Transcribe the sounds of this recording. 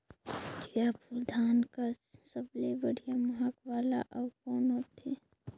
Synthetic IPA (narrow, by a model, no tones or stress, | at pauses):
d͡ʒiɾapuld̪ʱaːnka | səblebəɽ̤ijamɦakʋaːla̰ʔəbkɔːnɦot̪eː